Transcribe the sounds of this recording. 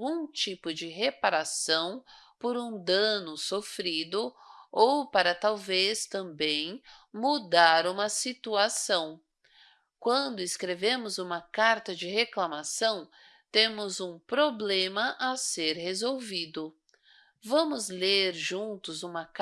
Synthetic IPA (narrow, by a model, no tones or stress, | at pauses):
ũt͡ʃipʊd͡ʒɪɦepaɾasɐ̃w̃poɾũd̪ɐ̃nʊsofɾid̪ʊowpaɾɐt̪awvest̪ɐ̃mbẽj̃mud̪aɾũmɐsit̪uasɐ̃w̃ | kwɐ̃d̪ʊɪskɾevẽmʊzũmɐkaɾt̪ɐd͡ʒɪɦeklamasɐ̃w̃ | t̪ẽmʊzũpɾoblẽmɐʔaseɾhezowvid̪ʊ | vɐ̃mʊzleɾʒũt̪ʊzũmɐk